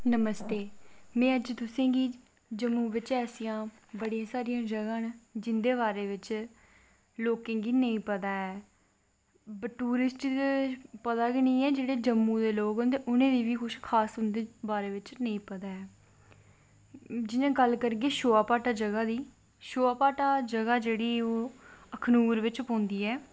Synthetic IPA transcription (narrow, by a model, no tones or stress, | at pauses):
nəməst̪eːmɛ̃ːəd͡ʒt̪ʊsẽːɡiː | d͡ʒəmːũːʋɪt͡ʃɛːsijãː | bəɽijãːsaːɾijãːd͡ʒəɡãːnd͡ʒɪnd̪eːbaːɾeːʋɪt͡ʃ | loːkẽːɡiːnə̃ĩːpət̪aːɛː | bʈuːɾɪsʈit̪ːpət̪aːɡiːnəĩːɛːd͡ʒeːɽeːd͡ʒəmːũːd̪eːloːkɦõnd̪eːʔʊnẽːd̪iːʋiːkʰʊʃkʰaːsɦʊnd̪eːbaːɾeːʋɪt͡ʃnəĩːpət̪aːɛː | d͡ʒɪnẽːɡəlkəɾɡeːʃoːaːpaːʈaːd͡ʒəɡaːd̪iː | ʃoːaːpaːʈaːd͡ʒəɡaːd͡ʒeːɽiːoːəkʰnuːɾʋɪt͡ʃpõːnd̪iːɛː